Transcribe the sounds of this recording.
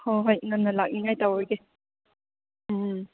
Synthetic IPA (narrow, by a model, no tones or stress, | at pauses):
hɔɦɔjŋanːalak̚niŋajtawɔjɡe | m